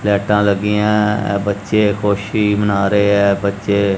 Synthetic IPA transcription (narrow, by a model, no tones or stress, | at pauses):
lɛːʈãːləɡiːãːbətːʃeːkʰoːʃiːbənaːɾəeːɛːbətːʃeː